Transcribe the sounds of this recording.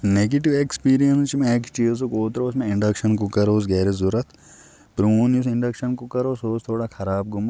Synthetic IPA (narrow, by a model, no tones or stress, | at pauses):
neːɡeʈiʋekspiːɾijɐnst͡ʃmẽekt͡ʃiːzokoːt̪ɾousmẽɪ̃ɳɖɐkʃɐnkukɐɾoːs̬ɡeːɾezuɾɐt̪ʰ | pɾuːnis̬ɪɳɖɐkʃɐnkukɐɾoːsoːst̪ʰoːɽakʰɐɾaːb̚ɡʊm